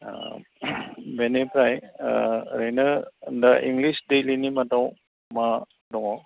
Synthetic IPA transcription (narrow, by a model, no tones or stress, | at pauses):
a̰ | benepɾaj | ɾejnəndaʔiŋɡlisdejlinimadɔw | ma | dɔŋɔ